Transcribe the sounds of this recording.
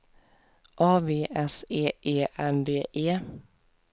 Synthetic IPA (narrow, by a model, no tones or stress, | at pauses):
ʔɑːʋeːʔɛseːʔeːʔænd̪eːʔeː